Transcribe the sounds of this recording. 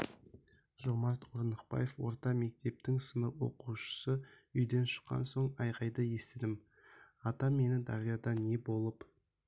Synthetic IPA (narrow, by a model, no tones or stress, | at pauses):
ʒomɑɾt̪qʰoɾnəqpɑ̰jefwo̞̰ɾt̪ɑme̞k̚t̪e̞p̚t̪ɪŋsənəpwo̞̰quʃə̥sə | ʏjd̪e̞nʃə̥qːɑ̰nso̞ɴɑjʁɑjd̪əje̞st̪ɪd̪ɪm | ɑt̪ɑme̞nɪd̪ɑ̰ʁijɑd̪ɑne̞bo̞lˠəp